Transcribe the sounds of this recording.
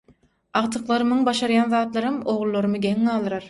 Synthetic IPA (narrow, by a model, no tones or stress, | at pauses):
ɑʁt̪ʰɯqlˠɑɾɯmɯŋbɑʃɑɾjɑnðɑːt̪lˠɑɾɑmo̞ʁlˠːoɾɯmɯɡʲeŋːɑːlˠɯɾɑɾ